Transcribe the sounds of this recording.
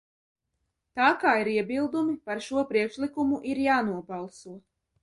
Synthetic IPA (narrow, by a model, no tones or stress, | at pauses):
t̪aːkaːiɾiɛbilˠd̪umipaɾʃuɔpɾiɛkʃlikumuʔiɾjaːnuɔbɑlˠsuɔ